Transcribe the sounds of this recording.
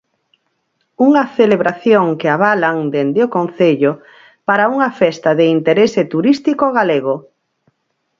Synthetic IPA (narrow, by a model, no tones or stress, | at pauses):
uŋɐθeleβɾaθjoŋkɪaβ̞alaŋd̪end̪eokõn̟θeʎo | paɾauŋafɛst̪aðeint̪eɾesɪt̪uɾist̪ikoɣaleɣ̞o